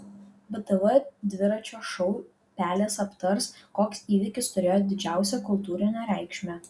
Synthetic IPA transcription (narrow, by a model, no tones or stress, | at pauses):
bɨt̪ɛʋɛd̪ʲʋʲɪɾɐt͡ʃʲoːʃɔʊ | pʲæːlʲeːsɐpt̪ɐɾskoːksiːʋʲɪkʲɪst̪ʊɾʲeːjoːd̪ʲɪd͡ʒʲæˑʊsʲɛkʊlˠt̪uːɾʲɪnʲɛːɾʲæˑɪkʃʲmʲæː